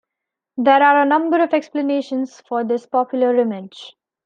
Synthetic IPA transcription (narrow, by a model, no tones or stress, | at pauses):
d̪eːɾaːɾənʌ̃mbəɾɔʋɛkspləneːʃə̃nsfɔːɾd̪ɪspɔːpjʊləɾːɪmɪd͡ʒ